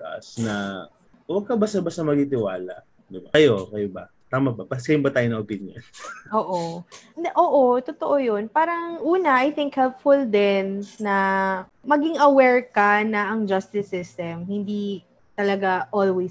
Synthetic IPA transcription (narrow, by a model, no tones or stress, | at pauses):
ʔa̰snɐ | wɐɡ̚kɐbasɐbasɐmɐɡ̚it̪̬ɪwa̰ːlɐ̰ | d̪ɪbɐkɐjo̞kɐjobɐ | t̪aːmɐbɐbɐsɐjʊmbɐt̪aːjonɐʔopɪnjo̰nʔoːʔoʔoːʔot̪ot̪oʔojonpaːɾɐŋʔuːnɐʔɐjθɪŋkhɛlp̚fʊld̪ɛnːɐ | mɐɡiŋɐwɛɹkɐnɐɐŋd͡ʒɐst̪ɪsɪst̪ɛmhɪnd̪i | t̪ɐlɐɡaʔolwej